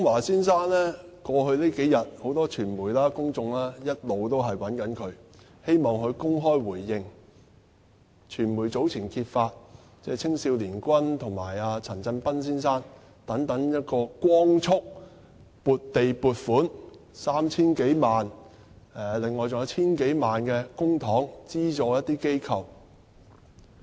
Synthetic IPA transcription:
ŋwaː˨˩siː˥nsaː˥nlɛː˥kʷɔː˧hɵ˧ɥliː˥ke˨˥jɐ˨t̚ho˨˥wt̪ɔː˥t͡ʃʰyː˨˩nmuː˨˩jlaː˥kʊ˥ŋt͡sʊ˧ŋlaː˥jɐ˥t̚lo˨wt̪o˥wɦɐ˨jwɐ˨˥nkɐ˨˥nkʰɵ˨˧ɥ | he˥jmɔː˨˩ŋhʰɵ˨˧ɥkʊ˥ŋɦɔː˥jwuː˨˩jːɪ˧ŋ | t͡ʃʰyː˨˩nmuː˨˩jt͡so˨˥wt͡sʰɪ˨˩ŋkʰiː˧t̚faː˧t̚ | t͡sɛː˥t͡sʰɪ˥ŋsiː˧wliː˨˩nkʷɐ˥nt̪ʰʊ˨˩ŋma̰ː˨˩jaː˧t͡sʰɐ˨˩nt͡sɐ˧npɐ˥ns̬iː˥nsaː˥n | t̪ɐ˨˥ŋt̪ɐ˨˥ŋjɐ˥t̚kɔː˧kwɔː˥ŋt͡ʃʰʊ˥k̚ | puː˨˧t̚t̪e˨jpuː˨˧t̚fuː˨˥n | saː˥mt͡sʰiː˥nke˨˥jmaː˨n | ɛ˨lɪ˨ŋːɔː˨˧jt͡sʊ˨ŋjɐ˨˥wt͡sʰiː˥nke˨˥jmaː˨nkɛː˧kʊ˥ŋt̪ʰɔː˨˥ŋt͡siː˥t͡ʃɔː˨˧jɐ˥t̪̚iː˥ke˥jkʰɐ˨˧w

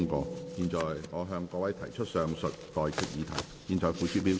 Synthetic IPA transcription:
ŋkɔ̰ː˧jiː˧nt͡sɔː˨˩jŋɔː˨˧ɦœː˧ŋkɔː˧wɐ˨˥jt̪ʰɐ˨˩jt͡ʃʰt̚sœː˨˧ŋsɵ˨t̚t̪ɔː˨˧jkʰi˧k̚jiː˨˧t̪ʰɐ̰˨˩j | jiː˧nt͡sɔː˨˩jfuː˧˩tʰyː˥piː˨˥

